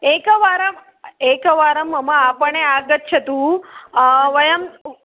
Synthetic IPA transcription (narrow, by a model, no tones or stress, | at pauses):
ekəʋaɾəm | ekəʋaːɾəmːəmãapəɳeaɡət̪̚t͡ʃʰet̪ũ | ʋəjəm